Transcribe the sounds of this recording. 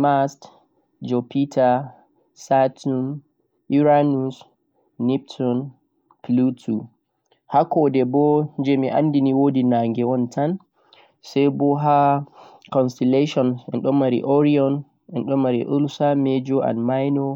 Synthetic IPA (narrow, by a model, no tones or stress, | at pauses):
mast | d͡ʒɔpitʰa | satum | ʔiɾanusː | ip̚tʰɔn | plutʰu | hakɔdɛbɔnd͡ʒɛmiʔa̰nːdiniwodinaŋɡɛwɔntʰan | sɛjbɔɦa | kɔnstɛleʃɔnɛ̰nɗɔmaɾḭʔɔɾiɔn | ɛnɗɔmmaɾḭʔulsamed͡ʒɔʔa̰nmajnɔ